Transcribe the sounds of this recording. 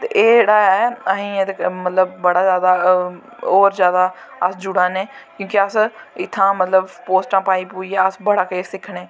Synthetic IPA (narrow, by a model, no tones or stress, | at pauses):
t̪eʔeːɽaːjaɛːəɦĩːet̪emət̪ləbːəɽaːzjaːd̪aː | oːɾzjaːd̪aː | əsd͡ʒʊɽãːneːkjõːkeəsɪt̪ʰːãːmət̪ləbpoːsʈãːpaːiːpuːiːɛːəsbəɽaːkeːsɪkʰɳeː